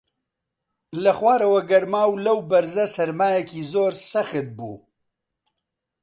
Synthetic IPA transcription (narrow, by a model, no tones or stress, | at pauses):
lɐxwaːɾɐwɐɡɐɾmaːwlɐwbɐɾzɐsɐɾmaːjɛkiːzoːɾsɐxɨt̪̚bṵː